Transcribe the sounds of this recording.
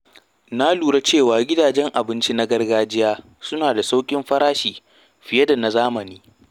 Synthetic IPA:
na˦luː˨ɽa˦t͡ʃeː˦˨waː˨ɡʲɪ˦daː˨d͡ʒɛ˦ŋʔa˨bɪ˦nt͡ʃi˦na˦ɡɐ˦rɡaː˦d͡ʒɪ˦jaː˦ | sʊ˦naː˨da˨sa˦wkʲʼɪ˦mɸɐ˦ɾaː˦ʃiː˨ | ɸɪ˨jɐ˦da˨na˨zaː˦mɐ˨niː˦

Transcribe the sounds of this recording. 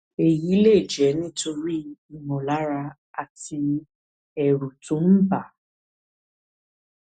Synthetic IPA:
e˨ji˨˦le˦˨d͡ʒɛ˨˦nĩ˦to˧ɾi˦i˦˨nɔ̃˨la˨˦ɾa˧ | a˧˨ti˧ | ɛ˨ɾu˨tõ˨˦m̩˦ba˦˨

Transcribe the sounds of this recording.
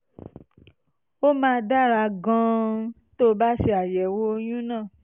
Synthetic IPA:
o˦mãː˦˧da˦˨ɾa˧ɡã˦ | to˦ba˦ʃe˧a˨jɛ˨wo˦o˧j̃ũ˦nãː˦˨

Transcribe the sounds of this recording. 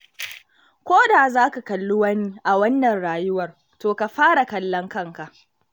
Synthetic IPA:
kʷoː˦daː˨zaː˦ka˨kɐ˨lːʊ˦wɐ˦ni˦ʔa˨wɐ˦nːɐ˨nɽaː˨jʊ˦wɐ˨r | toː˨ka˨ɸaː˦ɽa˨kɐ˨lːɐ˦ŋkɐ˦ŋka˨ʔ

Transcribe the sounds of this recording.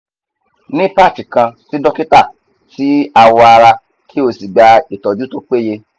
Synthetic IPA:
nĩ˦pa˦˨ti˨kã˧si˦dɔ˦ki˦ta˦˨ | si˨˦a˧wɔ˧a˧ɾa˧ | kʰi˦o˧si˨ɡ͡ba˧i˨tɔ˨du˦to˧k͡pe˦˨je˧

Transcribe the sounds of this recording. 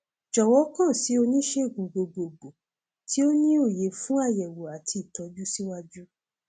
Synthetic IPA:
d͡ʒɔ˨wɔ˨˦kã˦˨si˨˦o˧nĩ˦ʃe˦˨ɡũ˨ɡ͡bo˨˧ɡ͡bo˨ɡ͡bo˨ | ti˦o˦nĩ˦o˦˨je˨˦fũ˦a˦˨jɛ˨wo˨a˨tʰi˧˨i˨tɔ˨˦d͡ʒu˦si˦wa˦d͡ʒu˦

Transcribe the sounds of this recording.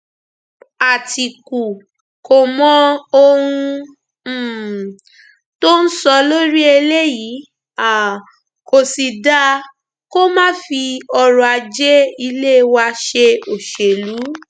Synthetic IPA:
a˨tʰi˨ku˨ | ko˨mɔ̃˧o˧hũ˧˨ | to˦n̩˦sɔ˧lo˦ɾi˦e˧le˦jiː˨˦ | a˨ | ko˨si˨da˧˦ | ko˦mãː˦fi˧ɔ˧ɾɔ˧a˧d͡ʒɛ˦i˧le˦˧wa˧ʃe˧o˨ʃe˨lu˨˦

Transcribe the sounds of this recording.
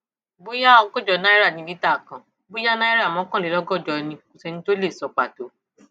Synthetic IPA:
bo˦ja˦ɔ˧ɡɔ˦˨d͡ʒɔ˨˧˦nã˦i˦ɾa˦˨nĩ˧˦li˦ta˦˨kã˨ | bo˦ja˦nã˦i˦ɾa˦˨mɔ̃˨˦kã˦˨le˨˦lɔ˦ɡɔ˦˨d͡ʒɔ˨˧nĩ˧ko˨sɛ˧nĩ˧to˦le˦˨sɔ˨k͡pa˨to˨˦

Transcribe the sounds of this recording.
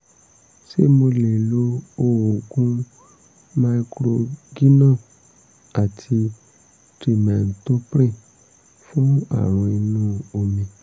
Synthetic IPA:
ʃe˦mo˧le˨lo˦o˧wo˨ɡũ˦ | ma˧i˧kɾo˧ɡi˦nã˦˨ | a˨tʰi˧ | tɾi˨mɛ̃˨n̩˨to˦pɾe˦˨ | fũ˦a̰˦˨ɾ̃ɔ̃˧i˧nũ˦o˧mĩ˧

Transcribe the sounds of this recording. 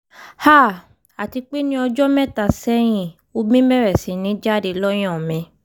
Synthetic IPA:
ha˦˨ | a˨ti˧k͡pe˦nĩ˦ɔ˧d͡ʒɔ˦mɛ̃˦ta˨sɛ˦j̃ĩ˨ | o˧bĩ˦mɛ̃˦ɾɛ˨sĩ˨˦nĩ˨˦d͡ʒa˦de˧lɔ˦j̃ɔ̃˦˨mɛ̃˧

